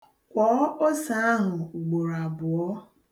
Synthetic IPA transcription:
kʷɔ˨˦o˦sa˨˦a˦ɦʊ˨u˨ɡ͡bo˨ɾa˨bʊ˨ɔ˦

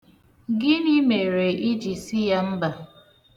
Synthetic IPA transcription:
ɡɪ˦ni˦me˨ɾe˨i˦d͡ʒi˨si˦ja˦m̩˦ba˨

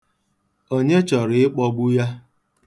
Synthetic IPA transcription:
o˦ɲe˦t͡ʃɔ˨ɾɪ˦k͡pɔ˦ɡ͡bu˦ja˦

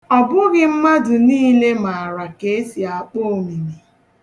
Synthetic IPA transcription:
ɔ˨bʊ˦ɣɪ˦m̩˦ma˦dʊ˨niː˦le˦ma˨ɾa˨ke˨e˦si˨a˨k͡po˦˨o˨mi˨mi˨

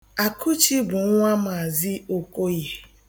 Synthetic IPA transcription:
a˨kʰu˦t͡ʃi˦bʊ˨ŋ̩˦ŋʷa˦ma˨a˨zi˦o˦ko˦je˦

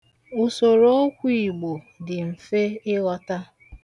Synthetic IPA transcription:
ʊ˨so˨ɾo˦o˦kʷi˦˨i˨ɡ͡bo˨ | dɪ˨m̩˨fe˦ɪ˦ɣɔ˦ta˦

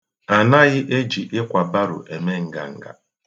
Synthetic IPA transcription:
a˨na˦ɣɪ˦ʔe˦d͡ʒi˨ʔɪ˦kʷa˨ba˦ɾʊ̰˨ʔe˨me˦ŋ̩˦ɡa̰˨ŋ̩˨ɡa̰˦

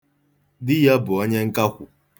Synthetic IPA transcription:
dɪ˦ja˦bʊ˨o˦ɲe˦ŋ̩˦ka˦kʷʊ˨

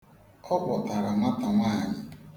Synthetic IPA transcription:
ɔ˦bɔ˨ta˨ɾa˨ma˦ta˨ŋʷaː˦˨ɲɪ˨

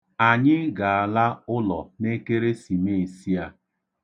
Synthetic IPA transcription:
a˨ɲɪ˦ɡa˨a˨la˦ʊ˦lɔ˨ne˦ke˦ɾe˦si˨me˦˨e˨si˦a˦

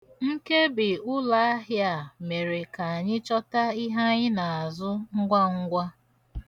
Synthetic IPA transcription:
ŋ̩˦ke˦bɪ˨ʊ˦la˨a˦ɦja˨me˨ɾe˨ka˨a˨ɲɪ˦t͡ʃɔ˦ta˦i˦ɦa˦ɲɪ˦na˨zʊ˦ŋ̩˦ɡʷa˦ŋ̩˦ɡʷa˦

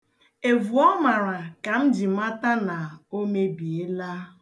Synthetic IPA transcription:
e˨vu˨ɔ˦ma˨ɾa˨ka˨m̩˦d͡ʒi˨m˦a˦ta˦na˨o˦me˦bi˨e˦la˦

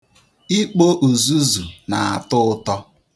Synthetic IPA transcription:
i˦k͡po˦ʔu˨zu˦zu˨na˨a̰˨tʊ˦ʊ˦tɔ˦

